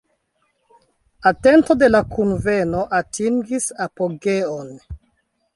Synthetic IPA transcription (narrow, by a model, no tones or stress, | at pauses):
ate̞nto̞de̞lakunve̞no̞ʔatiŋɡisapoɡe̞on